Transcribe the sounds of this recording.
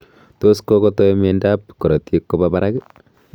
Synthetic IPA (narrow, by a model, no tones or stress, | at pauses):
toskokɔtɔmendap̚koɾɔtjekːopapaɾak